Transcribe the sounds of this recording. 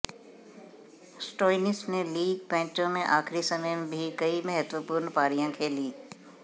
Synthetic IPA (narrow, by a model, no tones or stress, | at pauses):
sʈoːɪnɪsneliːɡpɛ̃ːt͡ʃõmẽʔaːxɾisɐməjbʱikɐimɛɦɛt̪wəpʊɾnpaːɾijãkʰeːlĩː